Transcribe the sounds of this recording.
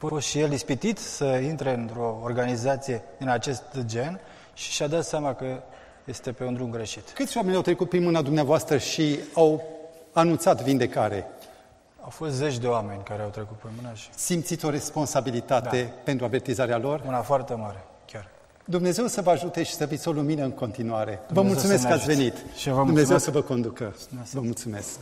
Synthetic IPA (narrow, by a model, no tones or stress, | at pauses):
afofost̪ʃije̞lispit̪it̪səint̪ɾe̞ɨnt̪ɾo̞ːrɡanizat̪sije̞ | ɨnat͡ʃe̞st̪d͡ʒe̞n | ʃi̥ʃad̪at̪seamakə | je̞st̪e̞pe̞und̪ɾumɡɾe̞ʃit̪kɨt̪sʲwame̞nʲawt̪ɾe̞kut̪̚pɾinmɨnad̪umneavoast̪ɾəʃiawanunt̪sat̪vind̪e̞kaɾe̞̰ | awfo̞st̪zet͡ʃʲd̪e̞wame̞nʲkaɾeawt̪ɾekut̪̚pɾimɨnasimt̪sit̪sʲo̞ɾe̞spo̞nsabilit̪at̪e̞pent̪ɾuave̞rt̪izaɾealo̞rmunafoart̪emaɾe | kʲar | d̪umne̞ze̞wsəvəaʒut̪e̞ʃi̥səvit̪sʲoluminəɨŋko̞nt̪inuaɾe̞vəmult̪sume̞skkəatsʲve̞nit̪vəd̪umnezewsəvəko̞nd̪ukə | vəmult̪sume̞sk